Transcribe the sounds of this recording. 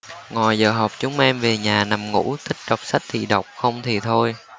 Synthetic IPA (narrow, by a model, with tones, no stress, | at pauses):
ŋɔ˨˩jzəː˨˩ɦa˨˩wk͡p̚t͡ɕʊ˨˦ŋ͡mʔɛ˧mve˨˩ɲaː˨˩na˨˩mŋṵ˧˥t̪ʰï˦˥k̚ɗə˨˩wk͡p̚sa˦˥k̚t̪ʰḭ˧˨ɗə˨˩wk͡p̚xə˧wŋ͡mt̪ʰi˨˩t̪ʰo˧j